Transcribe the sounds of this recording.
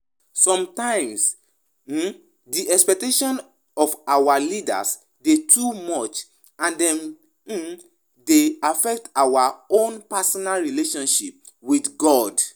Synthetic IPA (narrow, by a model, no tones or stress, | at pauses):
sɔ̃mtãɪ̃ms̩ | diʔɛkspɛk̚teʃɔ̃n | ɔfawalida̰s | detʰumɔt͡ʃ | ãndɛ̃m̩ | deafɛk̚tawaõnpasɔnalɹileʃɔ̃nʃip̚ | widɡɔd